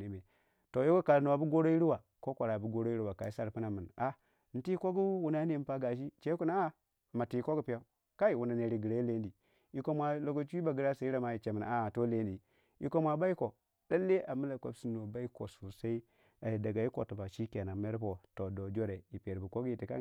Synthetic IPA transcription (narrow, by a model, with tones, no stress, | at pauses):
ni˨me˨ | to˨jo˦ɡo˦ka˨lno˨a˨bu˦ɡo˦ɾo˦ji˦ɾu˦wa˨ | ko˦kʷa˨ɾa˨bu˦ɡo˦ɾo˦i˦ɾi˦wa˨ka˨i˦sa˦ɾpu˦na˨mɨ˨na˨ | n̩˨ti˦ko˦ɡu˦wu˨na˨˦ne˨˦m˦pa˦ɡa˨ʃ̬i˦t͡ʃe˦ku˦na˦a˦˨ | ma˨ti˨i˨ko˦ɡu˦pi˦ja˦ | ka˦i˨wu˨na˨ne˨ɾi˨ɡi˨ɾa˨˦i˦le˦ndi˨ | i˨ko˦mʷa˨lo˨ɡo˦t͡ʃu˦i˦ba˨ɡi˦ɾa˦sa˨i˦ɾa˨ma˨˦ji˨t͡ʃe˨mi˨na̰˨a˨to˦le˦ndi˨ | ḭ˨˦ko˦mʷa˨ba˦i˦ko˨ | da˦lːe˦ʔa˨mu˦la˨kʷa̰˨bsi˦n˨o˨ba˦i˦ko˨su˨sa˦i˦ | a˨ji˨da˨ɡa˨ji˦ko̰˨tu˨ba˨ʃi˦ke˨na˨me˦ɾpo˨to˨do˨d͡ʒo˦ɾe˨i˨pe˨ɾbu˨ko˦ɡji˨ti˨ka̰˦